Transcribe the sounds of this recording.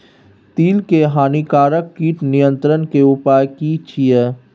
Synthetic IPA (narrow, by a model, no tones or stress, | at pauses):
t̪iːlkeɦaːnikaːɾəkːiːʈnijə̃nt̪ɾənkeʊpaːjkit͡ʃʰijə